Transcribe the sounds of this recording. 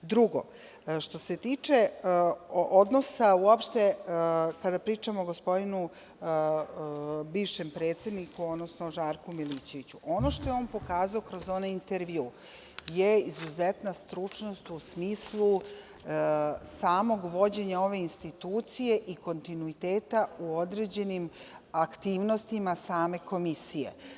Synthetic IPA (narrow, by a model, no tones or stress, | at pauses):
d̪ɾuɡo̞̰ | ʃt̪o̞se̞t̪iːt͡ʃe | od̪no̞sauopʃt̪ekad̪apɾiːt͡ʃamoɡospo̞d̪inu | biːʋʃempɾeːt̪se̞d̪nikuo̞d̪nosnoʒaːɾkumiliːt͡ɕe̞ʋit͡ɕuʔo̞no̞ʃt̪o̞jeo̞ːnpo̞kaːzaokɾozo̞naint̪eɾʋiu | jeizuzɛt̪nast̪ɾut͡ʂno̞st̪usmiːslˠu | saːmo̞ɡʋo̞d͡ʑe̞ɲao̞ʋe̞inst̪it̪uːt̪sije̞ʔiko̞nt̪inuit̪eːt̪auo̞d̪ɾe̞d͡ʑe̞nimakt̪iːʋno̞st̪imasaːme̞ko̞misije̞̰